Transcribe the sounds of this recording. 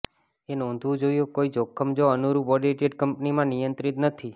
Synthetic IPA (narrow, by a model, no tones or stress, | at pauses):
enɔ̃nd̪ʱʋũd͡ʒoijokoid͡ʒokʰːəmd͡ʒoənuɾupɔɖeʈeɖkəmpnimãnijə̃nt̪ɾit̪nət̪ʰi